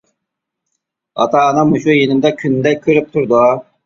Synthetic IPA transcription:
ɑ̰t̪ʰɑːnɨŋmuʃujenɪmd̪ɛkʲʰynd̪ɛkʲʰøɾyp̚t̪ʰuɾd̪u

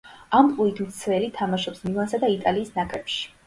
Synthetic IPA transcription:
amp̪ʼuit̪ʰmt̪sʰvɛlit̪ʰːamaʃɔpsmivansad̪ait̪ʼaliːsnakʼɾɛpʃi̥

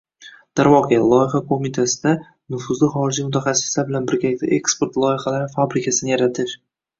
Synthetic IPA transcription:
d̪̥aɾvɒqelˠɒjɪχakʰomit̪ʰasɪd̪a | nʊfʊzlɪχɒɾɪd͡ʒimʊt̪ʰaχasːɪ̥slaɾbɪlanbɪɾɡʲalɪkʲt̪aʔekspe̞ɾt̪lˠɒjɪχalaɾɪfabɾɪkʲʰasɪnɪjaɾat̪ʰɪʃ

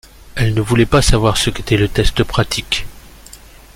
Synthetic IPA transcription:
ɛlnəvulɛpasavwaʁsəket̪ɛlət̪ɛst̪əpχat̪ʰik

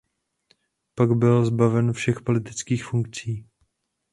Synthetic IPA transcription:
paɡbɪlzbavɛnfʃɛxpo̞lɪt̪ɪt͡skiːxfuŋkt͡siː

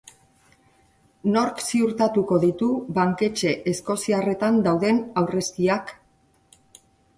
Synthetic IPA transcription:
no̞ɾksiuɾt̪at̪uko̞ðit̪uβaŋke̞t͡ʃe̞ʔesko̞siare̞t̪and̪awðe̞nawre̞st̪iak

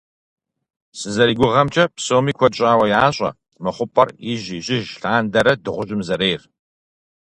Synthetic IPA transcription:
sɨzɐɾiːɡʷʊʁɐmt͡ʃʼɐpsoːmiːkʷʰɔt͡ʃʼaːwɐjaːɕʼɐ̰ | mɨχʷʊpʼɐrɪʑiɕʼɪʒɬaːndɐɾɐdɨʁʷʊɕʼɪmzɐɾeːr

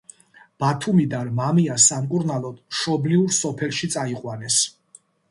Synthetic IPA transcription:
b̥at̪ʰumid̪aɾmamiasamkʼuɾnalˠɔd̪̥ʃɔbliuɾsɔpʰɛlˠʃit̪sʼaiqʼwanɛs

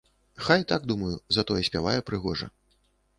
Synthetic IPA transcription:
xajt̪aɡ̚d̪umɐjuzɐt̪ɔjɛsʲpʲavajɛpɾɨɣɔʐɐ̰

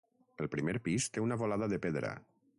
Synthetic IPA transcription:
əlˠpɾimeɾpist̪eunaβolaðəðəpeðɾə̰

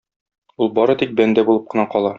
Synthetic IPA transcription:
ulˠbɒɾɤt̪ik̚bænd̪æbulˠɤp̚qɤ̆nɑqɒlˠɑ

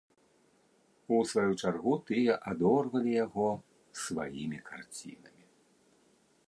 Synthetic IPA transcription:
usvajut͡ʂarɣut̪ɨjɛʔad̪ɔrvɐlʲijaɣɔ | sva̰jḭmʲikart͡sʲḭnɐmʲi

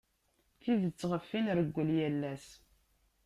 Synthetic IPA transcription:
θiðət͡sːʁəfːinɾəɡʷːəljælːæs

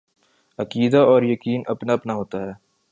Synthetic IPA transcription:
ɐkiːd̪aɔːɾjɐkiːnʔɐpnaɐpnaɦoːt̪aɦɛː

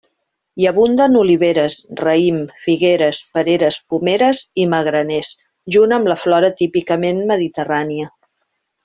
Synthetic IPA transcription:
jəβund̪ənuliβ̞eɾəsrəimfiɣeɾəspəɾeɾəspumeɾəziməɣɾənɛs | ʒunəmləflɔɾət̪ipikəmenməðit̪əraniə

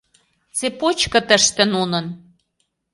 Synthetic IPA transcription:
t͡sepot͡ɕkɤ̆t̪ə̆ʃt̪ə̆nunɤ̆n

